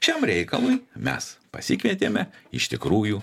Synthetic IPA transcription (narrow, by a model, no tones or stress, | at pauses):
ʃʲɛmɾʲɛɪkɐlˠʊɪmʲɛ̰spɐ̰sʲɪkʋʲiɛt̪ʲeːmʲɛɪʃt̪ʲɪkɾuːjuː